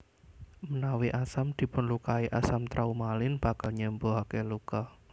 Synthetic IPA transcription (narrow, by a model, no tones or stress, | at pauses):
mənawiʔasamd̪̥i̤pʊnlukaiʔasamt̪ɾʔaumalɪnb̥a̤kalɲəmboɦakɛluka